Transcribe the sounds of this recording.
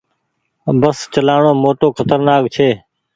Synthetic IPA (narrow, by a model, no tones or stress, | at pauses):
bəst͡ʃəlaːɳoːmoːʈoːkʰət̪əɾnaːk̚t͡ʃʰeː